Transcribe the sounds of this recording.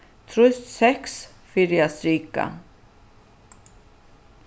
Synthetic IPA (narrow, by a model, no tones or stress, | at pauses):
t̪ʰɾust̪sɛhks | fɪɾɪast̪ɾiːka̰